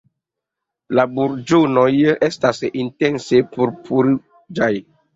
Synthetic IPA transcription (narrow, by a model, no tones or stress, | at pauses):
labuɾd͡ʒonojestasintensepuɾpʰuɾi | d͡ʒaj